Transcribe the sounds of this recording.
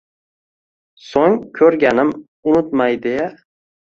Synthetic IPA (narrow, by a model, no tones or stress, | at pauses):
soŋkʲʰɵɾɡʲanɪm | ʊnʊt̪majd̪ɪja